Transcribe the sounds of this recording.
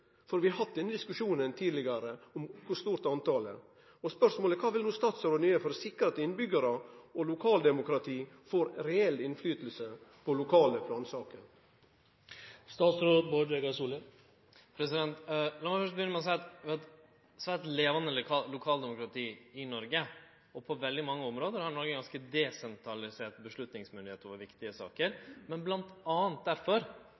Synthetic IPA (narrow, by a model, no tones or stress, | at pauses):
fɔɾʋɪɑhɑt̪̚d̪ɛnːəd̪ɪskʉʂuːnənt̪ʰiːd̪lɪɡɑɾəɔmkʰʊʂt̪uːɾt̪ɑnt̪ʰɑːlə̰ | ɔspœʂmoːləkʰɑːʋɪlnuːst̪ɑːt̪sɑɾɔnʏəfɔɾɔsɪkːəɾɑt̪ɪnbʏɡəɾəɔlʊkʰɑːld̪ɛmʊkɾɑt̪ʰiː | fɔɾɾɛɛlːɪnflyːt̪əl̩səpʰɔlʊkʰɑːləpʰlɑːnsɑːkəɾ | st̪ɑːt̪sɾoːd̪̚bɔɖ̪ʋeɡɑsuːlə | pʰɾɛsɪd̪ɛnt̪lɑmɑɾfœʂt̪̚bəjʏnəmɛɔs̬æɪɑt̪ʋɑt̪ | sʋæt̪leːʋɑnəlɑlʊkʰɑːld̪ɛmʊkɾɑt̪ʰiːɪnɔɾɡə | ɔpʰɔʋɛld̪ɪmɑŋːəɔmɾoːd̪əɾhɑɳɔɾɡəɡɑnskəd̪ɛsɛnt̪ʰɾɑlɪseːʈbəʂlɭʉt̪nɪŋsmʏnd̪ɪeːt̪ːɔʋɑʋɪkt̪ɪəsɑ̰ːkəɾmɛnblɑnt̪ɑːənt̪̚d̪æɾfɔɾ